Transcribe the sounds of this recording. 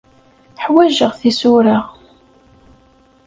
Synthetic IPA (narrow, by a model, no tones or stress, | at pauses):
ħwæʒəʁθisʊɾəʁ